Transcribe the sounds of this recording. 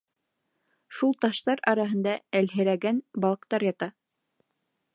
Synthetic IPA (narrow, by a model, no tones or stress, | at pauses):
ʃulˠt̪ɑʃt̪ɑɾɑɾɑɦɤ̆nd̪ɑælɦɘ̆ɾæɡænbɑlˠɤ̆qt̪ɑɾjɑt̪ɑ